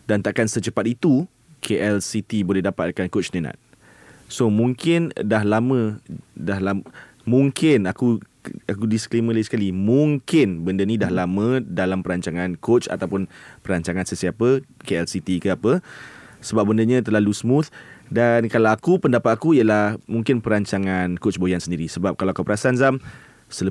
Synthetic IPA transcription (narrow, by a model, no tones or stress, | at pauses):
dant̪aʔkansət͡ʃəpat̪̚it̪u | kʰeʔɛlsit̪ibolɛɦdapat̪̚kankot͡ʃnənã̰t̪̚ | somũŋkɪndaɦlamə̃dahlam | mũŋkɪnaku | akudisə̥klemə̃laisə̥kalimũŋkɪnbəndənĩdahlamə̃dalampəɾaɲt͡ʃaŋãnkot͡ʃa̰t̪awpʊnpəɾaɲt͡ʃaŋansəsiapəkeɛlsit̪ikəapəsəbap̚bəndəɲãt̪ərlalusmũt̪dankalawakupəndapat̪̚akuijəlahhmuŋkɪnpəɾaɲt͡ʃaŋankot͡ʃbojansəndiɾisəbap̚kalawakupəɾasanzam | sələ